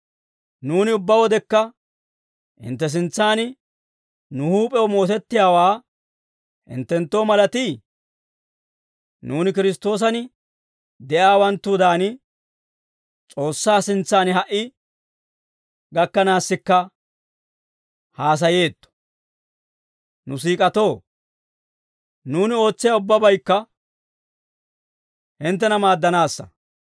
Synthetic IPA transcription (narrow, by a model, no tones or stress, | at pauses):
nuːnɪʊbːɐwɔd̪ɛkːɐ | ɪ̰nt̪ːɛs̬ɪnt͡sːaːnɪ | nʊhuːpʼɛwɔmo̞ːt̪ɛt̪ːɪjaːwaː | ɪ̰nt̪ːɛnt̪ːo̞ːmɐlɐt̪iː | nuːnɪkɪɾɪs̬t̪o̞ːs̬ɐnɪ | d̪ɛʔaːwɐnt̪ːud̪aːnɪ | t͡sʼo̞ːsːaːsɪnt͡sːaːnɦɐʔɪ | ɡɐkːɐnaːsːɪkːɐ | haːs̬ɐje̞ːt̪ːɔ̥ | nʊs̬iːkʼɐt̪o̞ː | nuːnɪo̞ːt͡sːɪjaʊbːɐbɐjkːɐ | hɪnt̪̬ːɛnɐmaːd̪ːɐnaːsːɐ̰